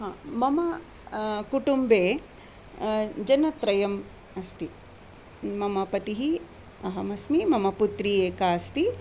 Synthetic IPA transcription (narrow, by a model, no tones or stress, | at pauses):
ɦaːmɐmɐ | kuʈumbeː | d͡ʒɐnɐt̪ɾɐjɐm | ɐst̪i | mɐmɐpɐt̪iɦi | ɐɦɐmɐsmimɐmɐput̪ɾieːkaːɐst̪i